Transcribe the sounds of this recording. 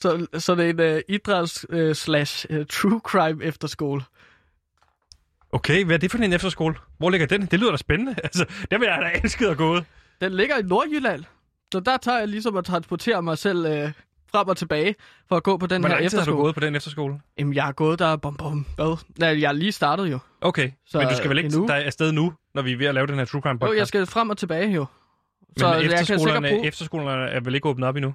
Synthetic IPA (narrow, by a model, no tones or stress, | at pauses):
sɒ̽sɒ̽ne̝nid̥ʁɑlsøslæɕt͡sʰʁuːkʰʁɑ̈ɪmefd̥ɐsɡ̥o̝̰ːl | ʔokʰeɪʋææɐd̥e̝fɒd̥inefd̥ɐsɡ̥o̝̰ːlʋɒ̰le̝ɡ̥ɐd̥end̥e̝lyːðˠɐd̥æsb̥enənəælsəd̥æɐʋejɑdæensɡ̥əð̩ˠæɡ̥ɔ̰̽ːð̩ˠ | d̥enle̝ɡ̥ɐino̝ɐjylæn̰ | sɒ̽d̥æt͡sʰɑ̈ːjɑ̈ɪlis̬ɒ̽mæt͡sʰʁɑ̈nsb̥ɒt͡sʰe̝̰ːɐmɑ̈ɪsel̰ø | fʁamɒ̽t͡sʰe̝b̥ɛːɪ | fɒ̽æɡ̥ɔ̰̽ːpʰɒ̽d̥enhæɐefdɐduo̰̥ɔ̽ːð̩ˠpʰɒdɾenefd̥ɐsɡ̥o̝̰ːljæmnjɑ̈ɪhɑ̈ɡ̥ɔ̽ːð̩ˠd̥æb̥ɒmb̥ɒmʋæðˠnæjɑ̈liːsd̥ɑ̈ːɾ̥ð̞̩ˠjo̝ | ʔoʊkʰeɪsɒ̽mnd̥usɡ̥æʋeleinud̥ɑ̈æsd̥eð̞ˠnunɒʋiʋe̝ælɛːʊdenheɐt͡sʰʁukʰʁɑmbɒjɑsɡ̥æfʁam̰ɒt͡sʰe̝b̥ɛːɪjo̝ | smɒ̽ejɑ̈skʰæosle̝ɐɡɐnə̥ʁefd̥ɐsɡ̥o̝̰ːlɐnəæɐʋele̝ɡ̥ɔ̽ːb̥nð̩ˠɒb̥inu